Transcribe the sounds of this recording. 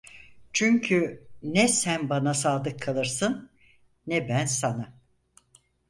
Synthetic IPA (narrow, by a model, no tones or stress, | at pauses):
t͡ʃʰyɲcʰynɛsænbanasaːlˠɯkʰːalˠɯɾsɯnː | ɛbænsana